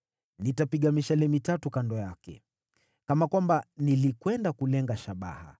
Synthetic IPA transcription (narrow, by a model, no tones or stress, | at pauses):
nitapiɠamiʃalɛmitatukandɔjakɛ̰ | kamakwambanilikwɛndakulɛŋɡaʃaɓa̰ha̰